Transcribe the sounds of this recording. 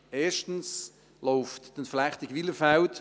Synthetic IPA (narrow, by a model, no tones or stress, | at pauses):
eːʃtən̩s | lɔʊftːənflæχtɪɡʋiləfalt